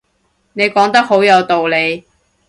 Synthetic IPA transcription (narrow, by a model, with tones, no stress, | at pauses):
ne˨˧jkɔː˨˥ŋt̪ɐ˥k̚ho˨˥wjɐ˨˧wt̪o˨wle˨˧j